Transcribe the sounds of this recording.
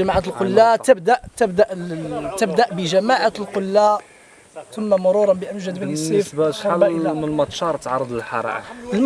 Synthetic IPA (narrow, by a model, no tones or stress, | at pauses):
æmaʕat̪əlqolːat̪əbd̪aʔt̪əbd̪aʔt̪əbd̪aʔbəʒæmaʕat̪lqʊlːa | t̪ʊmːamʊɾˤuɾˤɑnbəʔəmʒæd̪bənsifbaħalməlmɑt̪ˤʃɑɾˤt̪ʕɑrˤːəd̪ˤəlħɑ̰ɾˤɑ̰ʔ